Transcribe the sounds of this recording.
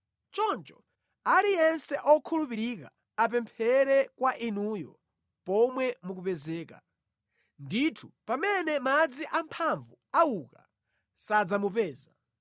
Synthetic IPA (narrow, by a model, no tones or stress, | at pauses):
t͡ʃɔnt͡ʃɔ̥ | aɾijɛnsɛʔɔkʰulupiɾika̰ | ap̬ɛmpʰɛɾɛkwaʔinuːjɔ̰ | pɔmwɛmuk̬upɛzɛːka̰ | nditʰupamɛnɛmad͡ziʔampʰaɱvuauka | sad͡zamupɛːza